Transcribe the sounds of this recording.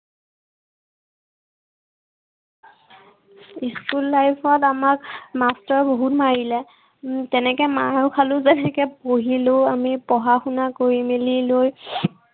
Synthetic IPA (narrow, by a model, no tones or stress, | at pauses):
iskulːajpʰɔtamakmastɔɹboɦutmaɹilɛ | tɛnɛkɛmaɹokʰalʊzɛnɛkɛpoɦilʊamipɔɦaxunakoɹimililoj